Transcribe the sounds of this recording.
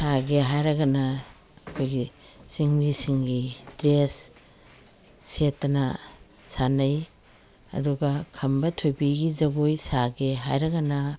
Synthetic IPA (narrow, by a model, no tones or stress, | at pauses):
saɡeɦajɾɐɡɐnɐ | ɐkʰojɡi | siŋɾisiŋɡidɾes | etːɐnɐ | sanɐj | ɐ̰duɡɐkʰɐmbɐtʰojbiɡizɐɡojsaɡeɦa̰jɾɐɡɐnɐ